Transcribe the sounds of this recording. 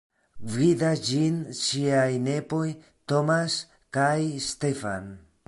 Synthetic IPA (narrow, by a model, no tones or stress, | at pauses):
vidasd͡ʒinʃiajne̞po̞j | t̪omas | kajst̪e̞fa̰n